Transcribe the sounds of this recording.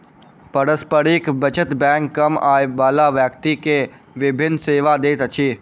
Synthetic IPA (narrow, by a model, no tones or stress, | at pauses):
pəɾəspəɾikbət͡ʃət̪bɛ̃ːŋkːɐmaːjʋaːlaʋjəkt̪ike | ʋɪbʱɪnːseːʋad̪eːt̪ət͡ʃʰiː